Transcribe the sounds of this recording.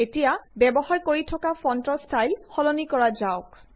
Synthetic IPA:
etijabɛbɔhaɹkoɹitʰɔkafɔntɹɔstʰajlxɔlonikɔɹazaʊk

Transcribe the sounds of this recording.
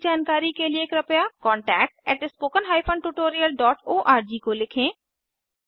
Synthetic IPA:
d͡ʒaːnkaːɾikelieːkɾɐpjakɔ̃ːɳʈɛːk̚ʈ̚ɛːʈɪspoːkənɦaːipʰə̃ɳɖʈuːʈoːɾijəlɖɔːʈoːʔaːɾd͡ʒiːkolɪkʰẽː

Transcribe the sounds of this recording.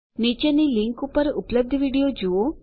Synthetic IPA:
nit͡ʃeniliŋkupəɾupləb̚d̪ʱəʋiːɽijod͡ʒuo

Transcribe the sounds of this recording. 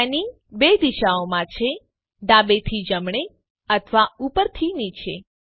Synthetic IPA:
ani | bed̪iʃaomãt͡ʃʰe | ɖabet̪ʰid͡ʒəmɳ̃e | ət̪ʰʋaupəɾt̪ʰinit͡ʃʰe

